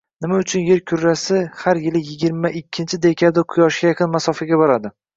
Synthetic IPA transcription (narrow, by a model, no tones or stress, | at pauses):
nɪmaʊt͡ʃʰʊnje̞ɾkʲʰʊɾːasɪhaɾjɪlɪjɪɡʲɪɾmaʔɪkʲʰːɪnt͡ʃʰɪd̪ekʲʰad̪aqʰʊjɒʃɡʲajaqʰɨnmasɒfaɡʲabɒɾad̪ɪ